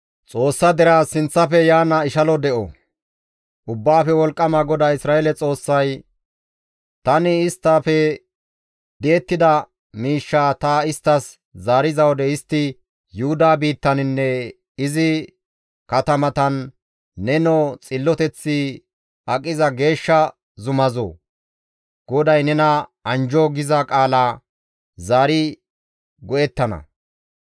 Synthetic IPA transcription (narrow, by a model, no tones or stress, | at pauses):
t͡sʼo̞ːsːɐd̪ɛɾaːsɪnt͡sːɐfɛjaːnɐɪʃɐlɔd̪ɛʔɔ | ʔʊbːaːfɛwɔlkʼːɐmɐɡɔd̪aːɪsɾaːɛlɛt͡sʼo̞ːsːɐj | t̪ɐnɪːst̪ːaːfɛ | d̪eːt̪ːɪd̪ɐ | miːʃːaːt̪ɐɪst̪ːɐs | zaːɾɪzɐwɔd̪ɛɪst̪ːɪ | jʊhʊd̪aːbiːt̪ːɐnɪnːɛ | ɪzɪ | kɐt̪ɐmɐt̪ɐnː | ɛnɔt͡sʼɪlːɔt̪ɛt͡sːɪ | ɐkʼːɪzɐɡe̞ːʃːɐ | zʊmɐzo̰ː | ɡ̥ɔd̪ɐjnɛnɐɐnd͡ʒɔɡɪzɐkʼaːlaː | zaːɾɪ | ɡɔʔɛt̪ːɐnɐ̰